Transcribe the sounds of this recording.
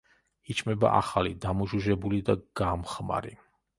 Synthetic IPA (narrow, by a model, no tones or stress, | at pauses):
it͡ʃʰʼmɛba̰ʔa̰χalid̪amuʒuʒɛbulid̪aɡ̥amχma̰ɾḭ